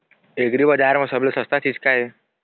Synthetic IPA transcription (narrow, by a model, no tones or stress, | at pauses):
eɡɾibəd͡ʒaɾmãsəblesəst̪at͡ʃʰit͡ʃkae